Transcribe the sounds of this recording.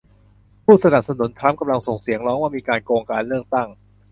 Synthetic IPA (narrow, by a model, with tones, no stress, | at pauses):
pʰuː˥˩sa˧na˨˩p̚sa˧nu˩˦nt̪ʰɾa˦˥mka˧mla˧ŋso˨˩ŋsi˨˩˦əŋlɔː˦˥ŋwaː˥˩miː˧kaː˧nkoː˧ŋkaː˧nlɯ˥˩ək̚t̪a˥˩ŋ